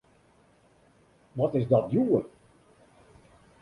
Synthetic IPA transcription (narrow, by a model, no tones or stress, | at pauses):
ʋɔtɪsdɔtjuə